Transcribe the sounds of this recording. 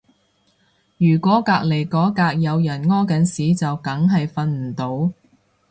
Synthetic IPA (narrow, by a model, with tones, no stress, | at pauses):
jyː˨˩kʷɔː˨˥kaː˧k̚le˨˩jkɔː˨˥kaː˧k̚jɐ˨˧wjɐ˨˩nŋɔː˥kɐ˨˥nsiː˨˥t͡sɐ˨wkɐ˨˥ŋɦɐ˨jfɐ˧nm̩˨˩t̪o˨˧˥w